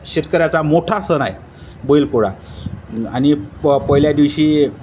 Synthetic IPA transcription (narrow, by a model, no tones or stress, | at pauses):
ɕet̪kəɾjat͡samoʈʰasəna̰j | boilkoɽa̰ | a̰ñipəɦiljad̪iʋɕiː